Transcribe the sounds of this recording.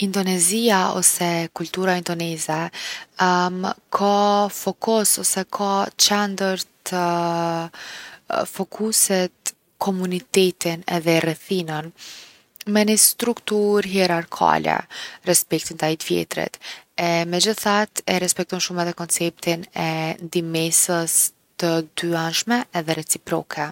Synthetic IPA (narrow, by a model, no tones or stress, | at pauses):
ind̪ɔnɛziaɔ̰sɛkult̪uɾaind̪ɔnɛzɛ | kʰafɔkɔsɔsɛkʰat͡ʃɛnd̪əɾt̪ʰə | fɔkʰusɛt̪̚ | kʰɔmunit̪ɛt̪inɛðɛrɛθinən | mɛnist̪ɾukt̪uɾɦɛɾaɾkʰa̰lɛ̰rɛspɛk̚t̪int̪ait̪vjɛ̰t̪ɾḭt̪ɛmɛd͡ʑəθat̪ɛɾɛspɛk̚t̪ɔnʃumɛðɛkɔnt͡sɛp̚t̪inɛnd̪imɛsəs | t̪əd̪yanʃmɛːðɛɾɛt͡sipɾɔkʰɛ